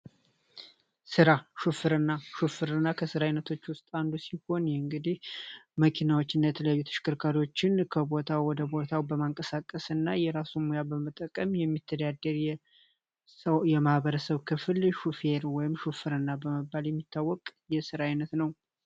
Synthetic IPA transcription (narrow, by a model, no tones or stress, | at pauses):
sɨɾaʃufɨɾɨnːaʃufɨɾɨnːakʰəsɨɾajnət̪ʰo̞t͡ʃːwʊst̪ʼand̪usiho̞njɛɨŋɡɨd̪ihməkʰinawot͡ʃːɨnːajɛt̪ʰələjajːut̪ʰɨ̥ʃɪ̥kʰʼɨɾkʰaɾo̞t͡ʃːɪnkʰəbo̞t̪ʰawwɔd̪əbo̞t̪ʰawbəmaŋkʼəsakʼːəsɨnːajɛɾasumojabəmət̪ʼːəkʼəmjɛmːit̪ʰːəd̪ad̪ːəɾjɛ | jɛmahβəɾəsəβkʰɨfɨlʃufeɾwɔjɪmʃufɨɾɨnːabəməbːaljɛmːit̪ʰːawːɔkʼjɛsɨɾaajnət̪nəw